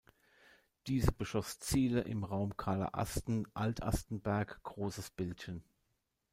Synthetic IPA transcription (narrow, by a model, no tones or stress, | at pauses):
d̥iːzəbəʃɔst͡siːləʔɪ̰mʁaʊmkʰaːlɐ̰ʔa̰stn̩ʔaltʰʔa̰stn̩bɛɐkɡ̥ʁoːsəsb̥ɪltçən